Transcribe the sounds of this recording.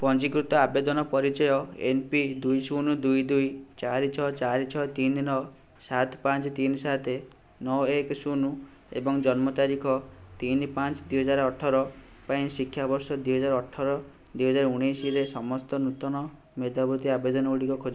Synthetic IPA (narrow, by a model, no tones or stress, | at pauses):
pɔnt͡ʃikɾut̪ɔabed̪ɔnɔpɔɾit͡ʃɔjɔḛnpid̪ujsunud̪ujd̪ujt͡ʃaɾit͡ʃʰɔt͡ʃaɾit͡ʃʰɔt̪innɔ | sat̪ʰpãnt͡ʃɔt̪insat̪ʰe | nɔeksunu | ḛbɔŋd͡ʒɔnmɔt̪aɾikʰɔt̪inpãnt͡ʃɔd̪ujɦɔd͡ʒaɾɔʈʰɔɾɔ | paĩsikʰjabɔɾsɔd̪ujɦɔd͡ʒaɾɔʈʰːɔɾɔ | d̪ujɦɔd͡ʒaɾuɽ̃ejsiɾesɔmɔst̪ɔnut̪ɔñɔ | med̪ʱabut̪iabed̪ɔnɔuɽikɔkʰod͡ʒ